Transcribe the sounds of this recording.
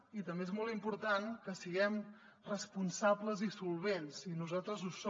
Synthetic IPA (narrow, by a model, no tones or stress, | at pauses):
it̪əmbeezmɔlˠimpuɾt̪ankəsiɣɛm | rəspunsabləzisulˠβ̞ensinuzalˠt̪ɾəzuso